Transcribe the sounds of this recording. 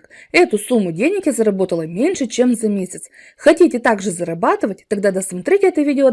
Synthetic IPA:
kɛt̪ʊsumːʊdʲenʲɪkʲɪzəɾɐbo̞t̪əlˠəmʲenʲʂɨt͡ɕemzɐmʲesʲət̪s | xɐtʲitʲɪt̪aɡʐɨzəɾɐbat̪ɨvətʲt̪ːɐɡd̪ad̪əsmɐt̪ɾʲitʲɛt̪əvʲidʲɪo

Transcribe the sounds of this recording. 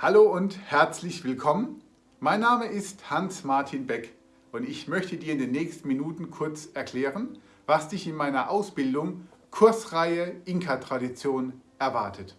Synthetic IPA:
haloːʊnthɛɐt͡slɪçv̥ɪlkʰɔmən | maɪnːaːməʔɪsthansmaɐtʰiːnbɛk | ʔʊntɪçmœçtədiːɐɪndeːnːɛːçstn̩minuːtn̩kʰʊɐt͡sɛɐkʰl̥ɛːʁən | vasd̥ɪçɪnmaɪnɐʔaʊsb̥ɪldʊŋkʰʊɐsʁaɪəʔɪŋkʰatʁ̥adit͡sjoːnʔɛɐvaɐtʰət

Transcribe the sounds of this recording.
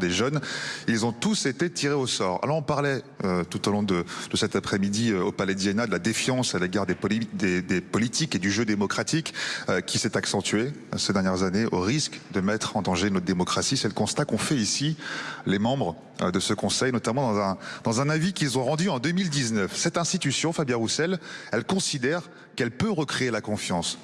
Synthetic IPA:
d̪eʒœnilzɔ̃t̪uset̪et̪ʰiʁeosɔːʁa̰lɔʁɔ̃paʁlɛ | øt̪ut̪olɔ̃d̪əd̪̥əsɛt̪apχɛmid̪iøopalɛd̪iɛnad̪əlad̪efjɑ̃saleɡaʁd̪ed̪ed̪epɔlit̪iked̪yʒød̪emɔkχat̪ikøkʲʰisɛt̪aksɑ̃t̪ɥesed̪ɛʁnjɛʁzaneʔoʁiskd̪əmɛt̪χɑ̃d̪ɑ̃ʒenɔtd̪emɔkχasisɛləkɔ̃st̪akɔ̃fɛisilemɑ̃bʁə | d̪əsəkɔ̃sɛjnɔt̪amɑ̃d̪ɑ̃zɛ̃d̪̥ɑ̃zɛ̃navikʲilzɔ̃ʁɑ̃d̪yɑ̃d̪ømild̪iznœfsɛt̪ɛ̃st̪it̪ysjɔ̃fabjaʁusɛlɛlkɔ̃sid̪ɛʁ | kɛlpøʁəkχeelakɔ̃fjɑ̃s

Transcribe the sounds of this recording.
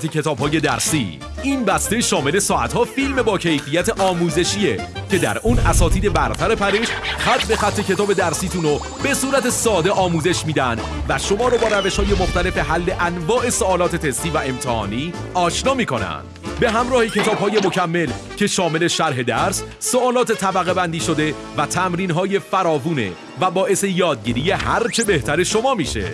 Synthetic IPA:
t̪ʰecʰe̞t̪ʰɒːb̥hɒːje̞d̪æɾsiː | ʔinbæst̪eʃɒːme̞le̞sɒːæ̰t̪hɒːfilme̞bɒːcʰe̞jfiːjæt̪ʰeʔɒːmuːze̞ʃiːecʰe̞d̪æ̰ɾuːnæsɒːt̪iːd̪e̞bæɾt̪ʰæɾe̞pʰæɾeʃxæt̪ʰbe̞xæt̪ʰːe̞cʰe̞t̪ʰɒːbe̞d̪æɾsiːt̪ʰuno | b̥e̞suːɾæt̪esɒːd̪eʔɒːmuːze̞ʃmiːd̪ænd̪væʃo̞mɒːɾɒːbɒːɾæveʃhɒːje̞moxt̪æle̞feɦælːe̞ʔænvɒːʔe̞soɒːlɒːt̪ʰe̞t̪ʰe̞st̪iːvæe̞mt̪ʰehɒ̰ːniːɒːʃnɒːmiːkʰo̞næ̰nd̪̥be̞ɦæmɾɒːhecʰe̞t̪ʰɒːbɦɒːje̞mo̞cʰæmːe̞l | cʰe̞ʃɒːme̞le̞ʃæɾɦe̞d̪æɾs | soɒːlɒːt̪ʰe̞t̪ʰæbæɣe̞bænd̪iːʃod̪e̞ | væt̪ʰæmɾiːnɦɒːje̞fæɾɒːvuːnḛ | væbɒːʔe̞se̞jɒːd̪̚ɟiːɾije̞hæɾt͡ʃʰe̞be̞ht̪ʰæɾe̞ʃo̞mɒːmiːʃḛ

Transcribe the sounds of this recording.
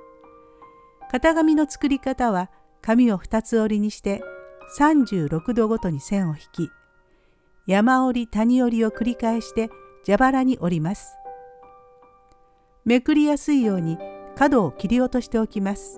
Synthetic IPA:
kat̪aɡamʲino̞t͡sɨ̥kɯ̟ɾʲikat̪aβ̞a | kamʲio̞ɸɯ̟̥t̪at͡sɨo̞ɾʲiɲ̟iɕi̥t̪e̞sãɲd͡ʑɨːɾo̞kɯ̟d̪o̞ɡo̞t̪o̞ɲ̟isẽ̞ɰ̃o̞çi̥kʲi | jamao̞ɾʲit̪aɲ̟io̞ɾʲio̞kɯ̟ɾʲikaeɕi̥t̪e̞ | d͡ʑabaɾaɲ̟iʔo̞ɾʲimasɨ̥ | me̞kɯ̟ɾʲijasɨijo̞ːɲ̟ikad̪o̞ːkʲiɾʲio̞t̪o̞ɕi̥t̪e̞o̞kʲimasɨ̥

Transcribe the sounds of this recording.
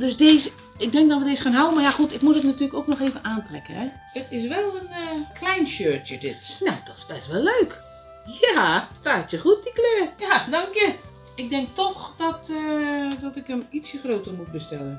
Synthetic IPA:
døsdeːz | ɪk̚dɛŋk̚dɔtʋədeːsəxaːnɦawənmarjaxutɪkmutətnatyːələkoknɔxeːvənaːntrɛkəhɛ | ətɪs̬ʋɛlˠənkʰlɛjnsøːtjədɪtnowd̥ɔtɪ̥sbɛstʋɛlˠløːk | jastaːtjəxut̚dikløːjadɔŋkjə | ɪɡ̚dɛŋk̚tɔxdɔtədɔtɪkəmit͡sjəxroːtəmut̚bəstɛlˠən

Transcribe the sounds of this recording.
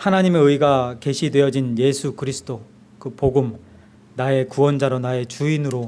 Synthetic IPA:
hanaɲime̞ɯiɡake̞ɕʰidwe̞jʌd͡ʑinje̞sʰukɯɾisʰɯ̥d̥o | kɯpoɡɯm | nae̞kuwʌnd͡ʑaɾonae̞t͡ɕuinɯɾo

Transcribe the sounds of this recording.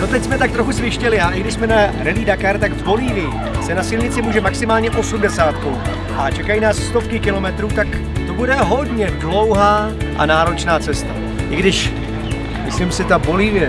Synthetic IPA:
not̪ɛcsmɛt̪ak̚t̪ɾo̞xusvɪʃcɛlɪaʔɪɡdɪʃsmɛnaɾɛliːdakaɾt̪aɡvbo̞liːvjɪ | sɛnasilɲɪt͡sɪmuːʒɛmaksɪmaːlɲɛʔo̞sumdɛsaːt̪kow | ʔat͡ʃɛkajinaːssːt̪o̞fkɪkɪlo̞mɛt̪ɾuːt̪ak | t̪obudɛɦo̞dɲɛdlo̞wɦaː | ʔa̰naːɾot͡ʃnaːt͡sɛst̪a | ʔɪɡdɪʃ | mɪslimsɪt̪abo̞liːvjɛ

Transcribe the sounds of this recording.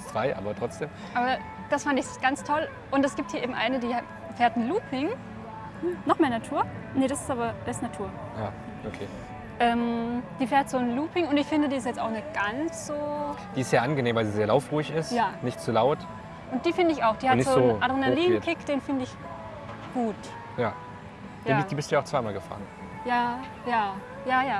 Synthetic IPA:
sv̥aɪʔaːbɐtʁ̥ɔt͡sd̥eːmʔaːbɐ | d̥asfandɪçɡ̥ant͡stʰɔl | ʔʊntɛsɡ̥iːp̚thiɐʔeːbm̩ʔa̰ɪnədiː | fɛːɐtn̩luːpʰɪŋ | nɔχmeːɐnatʰuːɐnəɾasɪ̥stʔaːbɐd̥aɪstnatʰuːɐ | jaː | ʔokʰḛː | ʔɛːmd̥iːfɛːɐtz̥oːnluːpɪŋʊntɪçfɪndədiːɪstjɛt͡staʊxnɪçɡ̥ant͡sz̥oːd̥iːɪstjaːʔanɡəneːmvaɪlziːzeːɐlaʊfʁuɪçɪstjaːnɪçtt͡sulaʊt | ʔʊnt̚d̥iːfɪndəɪçaʊxd̥iːhatnɪzoːoːnʔadʁenaliːnnkʰɪkd̥eːnfɪndəɪç | ɡ̥uːt | jaː | jiaːd̥iːbɪstd̥uːaʊt͡sv̥aɪmaːlɡəfa̰ːʁən | jaː | jaː | jaːjaː

